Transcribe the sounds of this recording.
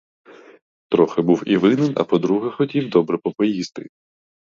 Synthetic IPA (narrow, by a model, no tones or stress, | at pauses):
t̪ɾɔxebuwiʋɪnɪnɐ̰pɔd̪ɾuɦɐxɔtʲiwd̪ɔbɾɛpɔpɔjist̪ɪ